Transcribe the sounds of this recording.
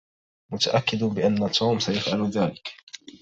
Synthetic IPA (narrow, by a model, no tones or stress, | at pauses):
mʊt̪aʔakːɪd̪bɪʔanːat̪ʰːuːmsajasʔalðaːlɪk